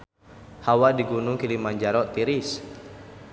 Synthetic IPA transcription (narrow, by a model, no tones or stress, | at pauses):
hawadiɡunuŋkilimand͡ʒaɾɔʔt̪iɾis